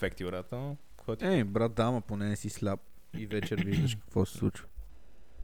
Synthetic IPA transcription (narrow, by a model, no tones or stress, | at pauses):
fɛkt̪iʊɾat̪ə | kɔt̪ʲɛbɾat̪̚d̪aməponɛnɛsislʲap̚ | ivɛt͡ʃɛɾviʒd̪əʃkə̥kvɔsɛ̥slˠṵt͡ʃvə̥